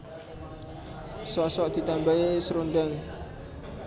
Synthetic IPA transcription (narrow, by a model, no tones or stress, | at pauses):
sɔsɔʔd̪̥i̤t̪ambaisəɾundaŋ